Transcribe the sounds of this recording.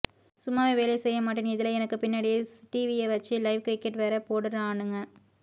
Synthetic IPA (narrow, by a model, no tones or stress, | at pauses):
sʊmːaːʋeʋeːlɐsɛjːɐmaːʈːinɪðɪlɐɛnɐkːɯpɪnːɐːɽɪjsʈiʋieʋɐt͡ʃːɯlɐɪʋkɾɪkːɛʈʋeːɾɐpoːɽɯɾɐ̃aːɳɯŋɡɐ